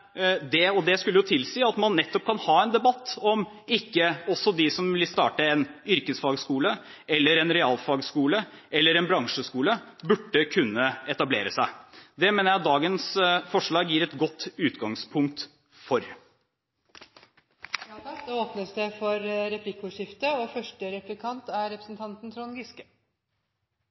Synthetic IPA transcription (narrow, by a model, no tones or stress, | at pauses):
d̪ɛɔd̪ɛskʉlːəjʊt̪ʰɪlsiːɑt̪mɑnːɛt̪ːɔp̚kʰɑnhɑːɛnd̪ɛbɑt̪ːɔm | ɪkːəɔsːɔd̪ɪsɔmʋɪlst̪ɑ̰ːʈəɛnʏɾkəsfɑːɡskuːlə | ɛlːəɾɛnɾɛɑːlfɑːɡskuːləʔɛlːəɾɛnbɾɑŋʂəskuːləbʉɖːəkʰʉnːəɛt̪ɑblḛːɾəsæɪd̪ɛmeːnəɾjæɑt̪̚d̪ɑːɡənsfɔʂɭɑːɡjiːɾɛt̪ɡɔt̪ːʉːt̪ɡɑŋspʰʊŋk̚t̪ | fɔɾ | oːpnəsd̪ɛfɔɾɾɛpʰlɪkːəuːʂɪft̪əɔfœʂʈəɾɛplɪkʰɑnt̪æɾɾɛpɾəsn̩t̪ʰɑnt̪n̩t̪ʰɾɔnɡɪskə